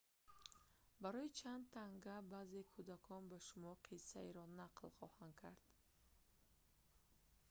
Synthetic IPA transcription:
baɾɔjit͡ʃʰand̪̚t̪ʰaŋɡabazekʰud̪akʰɔnbaʃumɔqʰisːaeɾɔnaqlχɔhand̪̚kʰaɾd̪̥

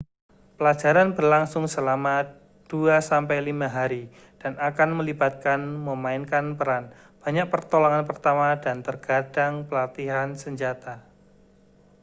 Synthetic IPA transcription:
pəlad͡ʒaɾanbərlaŋsʊŋsəlama | d̥uasampajlimaɦaɾi | d̥anakanməlibat̪̚kanməmaɪnkanpəɾan | b̥a̤ɲak̚pərt̪oloŋanpərt̪amadant̪ərɡ̥ad̥aŋpəlat̪iɦansəɲd͡ʒat̪a

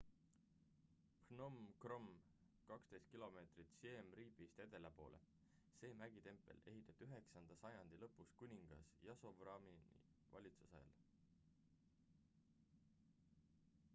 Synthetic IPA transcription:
prno̞mkro̞m | kɑkst̪e̞jst̪̚kilo̞me̞ːt̪rit̪siemriːpist̪e̞d̪̥e̞lepo̞̰ːlʔe̞̰ | se̞ːmæɡ̥it̪e̞mpːˑe̞̰le̞ɦit̪ːˑɑt̪ːˑyɦe̞ksɑnd̪̥ɑsɑjɑnd̪̥ilɤ̞pːˑuskunʲiŋɡ̥ɑ̰sjɑso̞vrɑminḭvɑ̰lʲit̪su̥sɑjɑ̰l

